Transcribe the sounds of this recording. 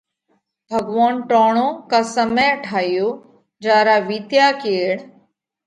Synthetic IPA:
bʱəɡʋaːnʈoːɳõːkaːsəmẽːʈʰaːɪjoː | d͡ʒaːɾaːʋiːt̪jaːkeːɽ

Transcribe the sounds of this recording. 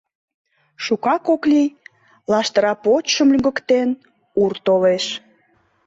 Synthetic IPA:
ʃukɑkoklij | lɑʃt̪əɾɑpot͡ɕʃəmlʲyŋɡə̆kt̪en | urt̪oleʃ

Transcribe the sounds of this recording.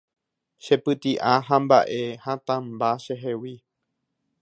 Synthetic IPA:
ʃe̞pɨt̪iʔaɦãmbaʔe̞hãt̪ãmbaʃeɦewi

